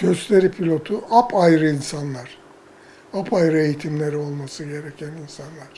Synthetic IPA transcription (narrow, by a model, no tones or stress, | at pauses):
ɟ̥øst̪ʰe̞ɾipʰilʲo̞t̪ʰuʔapʰajɾɯinsanlˠaɾ̥ | apʰajɾɯe̞jit̪ʰimlʲe̞ɾio̞lˠmasɯɟe̞ɾecʰæninsanlˠaɾ̥